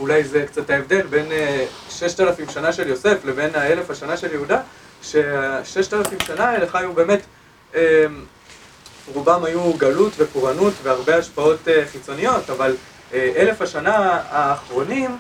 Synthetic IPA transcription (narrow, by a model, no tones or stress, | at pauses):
ulajzekt͡sataevde̞lbe̞neʃe̞ʃtalafimʃanaʃe̞ljo̞se̞fle̞ve̞nae̞le̞fhaʃanaʃe̞ljeuda | ʃe̞aʃe̞ʃtalafimʃanaeleχajube̞ːme̞t | em | ʁubamajuɡalutve̞koʁanutveaʁbe̞aʃpao̞teχit͡so̞nijo̞taval | eʔe̞le̞faʃanaaːχʁo̞nim